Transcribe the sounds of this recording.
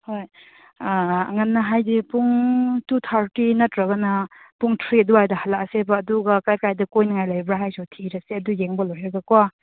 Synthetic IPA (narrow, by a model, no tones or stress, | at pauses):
hoj | ɐ̰ŋanːɐɦajdipuŋtut̪ʰaɾtinɐtɾɐɡɐnɐpuŋtʰɾiɐduajdɐhalasebɐːduɡɐkajkajdɐkojnaŋajlajbɾaɦajsɔtʰiɾaseɐdujeŋbɐlojɦeɡɐkwa